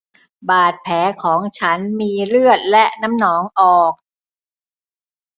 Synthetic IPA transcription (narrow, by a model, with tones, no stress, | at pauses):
baː˨˩t̪̚pʰɛː˩˦kʰɔː˩˦ŋt͡ɕʰa˦˥nmiː˧ɾɯ˥˩ət̪̚lɛ˦˥ʔna˦˥mnɔː˩˦ŋʔɔː˨˩k̚